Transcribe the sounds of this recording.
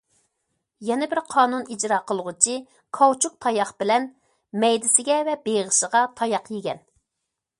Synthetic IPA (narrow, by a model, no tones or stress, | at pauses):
jɛnɛbɪɾqʰɑːnunid͡ʒɾɑːqʰəlˠʁʊt͡ʃʰi | kʰɑwt͡ʃʰuk̚t̪ʰɑjɑχb̥ɪlɛn | mɛjd̪ɪsɪɡʲɛvɛbeʁəʃəʁɑt̪ʰɑjɑqjeɡʲɛ̰n